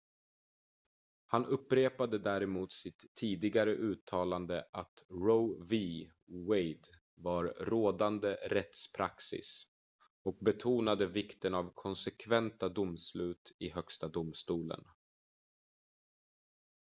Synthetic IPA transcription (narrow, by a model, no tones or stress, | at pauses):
hanʔɵpːɾeːpad̪əd̪æːɾɛmuːt̪sɪt̪ʰːiːd̪ɪɡaɾəʔʉ̟ːt̪ʰɑːland̪əʔat̪ɾovi | wejd̪ | vaɾɾoːd̪and̪əɾɛt̪spʰɾa̰ksɪ̰s | ɔk̚bɛt̪ʰuːnad̪əvɪkt̪ənavkʰɔnsɛkʰvɛnt̪ad̪ʊmslʉ̟ːt̪ʰɪhœkst̪ad̪ʊmst̪uːlə̰n